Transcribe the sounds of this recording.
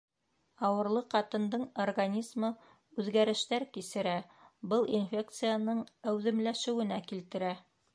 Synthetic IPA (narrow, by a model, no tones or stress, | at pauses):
ɑwɤ̆ɾlˠɤqɑt̪ɤ̆nd̪ɤɴorɡanʲizmɤ | ʉðɡæɾɘ̆ʃt̪æɾkisɘ̆ɾæbɤlˠinfʲe̞k̚t̪sɨjanɤɴæwðɘ̆mlæʃɘ̆wɘ̆nækilt̪ɘ̆ɾæ